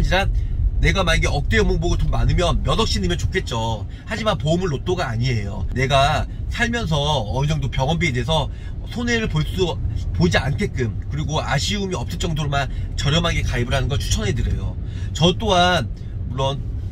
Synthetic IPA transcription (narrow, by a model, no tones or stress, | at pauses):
ɲiɾane̞ɡamanɡeʔʌk̚t͈e̞ɯmoŋboɡɯtoɡmanɯmjʌnmjʌdʌk̚ɕ͈inimjʌnt͡ɕokʰe̞t̚t͡ɕ͈o | had͡ʑimanpoumɯɭːot͈oɡaːɲie̞jo̰ne̞ɡasʰaɭmjʌns̬ʰʌːid͡ʑʌŋdopjʌŋʌnbiedes̬ʰʌ | sʰoneɾɯɭpoɭs͈upod͡ʑiankʰe̞k͈ɯmkɯɾiɡoaɕʰiumiʌps͈ɯɭt͡ɕ͈ʌŋdoɾomat͡ɕʌɾjʌmaɡe̞kaibɯɾɦanɯnɡʌt͡ɕʰu̥t͡ɕʰʌnɦedɯɾe̞̰jo̰ | t͡ɕʌt͈oɦan | muɭːʌn